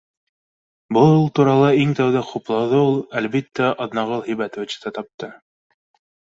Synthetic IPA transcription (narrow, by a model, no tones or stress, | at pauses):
bɤlˠulˠt̪uɾɑlˠɑiŋt̪æwðæquplˠɑwðɤulˠælβit̪ːæʔɑðnɑʁɤlˠɦɘ̆jbæt̪ŏvɘ̆t͡ɕt̪ɑt̪ɑp̚t̪ɤ